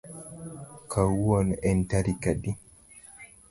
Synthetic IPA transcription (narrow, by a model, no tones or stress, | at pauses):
kawɔnʔɛntaɾikaɗi